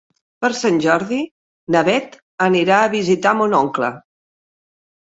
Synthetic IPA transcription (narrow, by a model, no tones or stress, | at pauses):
pəɾsanʲʒɔɾði | nəβɛt̪ | əniɾaəβizit̪amonɔŋklə̰